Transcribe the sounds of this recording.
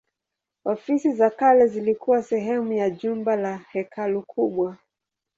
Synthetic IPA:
ɔfisizakalɛzilikuwasɛɦɛmujaʄumbalahɛkalukʰuɓwa

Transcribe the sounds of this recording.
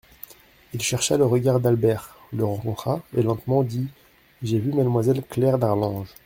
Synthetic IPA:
ilʃɛʁʃaləʁəɡaʁd̪albɛʁ | ləʁɑ̃kɔ̃t̪χaelɑ̃t̪mɑ̃d̪i | ʒevymad̪mwazɛlklɛʁd̪aʁlɑ̃ʒ

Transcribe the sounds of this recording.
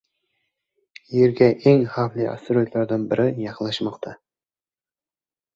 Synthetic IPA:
jeɾɡʲɛʔeŋhɑflˠiʔɑ̰st̪ɪɾojt̪lˠɑɾd̪ɨnbɪɾʔɪjɑqlˠɑʃmɑqt̪ʰɑ

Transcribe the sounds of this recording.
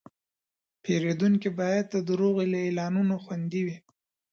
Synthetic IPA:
peɾed̪uŋkibɑjad̪̚ːəd̪ɾoɣelaelɑnunoxwand̪iwi

